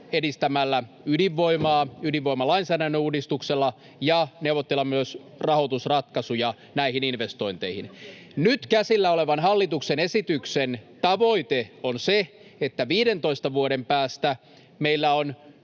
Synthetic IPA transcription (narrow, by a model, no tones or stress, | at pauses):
edist̪æmælːæ | ydiʋːoimɑːydiʋʋoimɑlɑinsæːdænːøuːdist̪ukselːɑ | jɑneuʋot̪ːelːɑmyøs | rɑhot̪usrɑt̪kɑsujɑ | næihininʋest̪oint̪eihin | nyt̪kæsilːæoleʋɑnhɑlːit̪uksenesit̪yksent̪ɑʋoit̪eonse | et̪ːæʋiːdent̪o̞ist̪ɑʋuoɾempæːst̪æ | meilːæon